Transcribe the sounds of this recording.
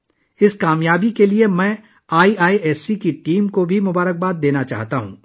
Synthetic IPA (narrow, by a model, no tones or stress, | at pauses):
ɪskaːmjaːbikeliemɛ̃ː | aːiʔaːiʔɛːsikiʈiːmkobʱimʊbaːɾək̚baːd̪̚d̪eːnat͡ʃa̰ːɦt̪aɦṵ̃ː